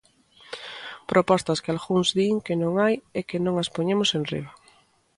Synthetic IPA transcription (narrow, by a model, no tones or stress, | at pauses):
pɾopɔst̪askɪalɣuŋzðiŋkenõŋajɛkenõŋaspoɲemosenrḭβa